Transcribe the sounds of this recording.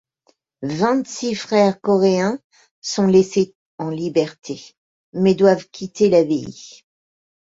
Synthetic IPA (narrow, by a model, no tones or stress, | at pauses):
vɛ̃t̪sifχɛʁkɔʁeɛ̃ | sɔ̃lese | ɑ̃libɛʁt̪ʰe | mɛd̪wavkʲʰit̪elabeḭ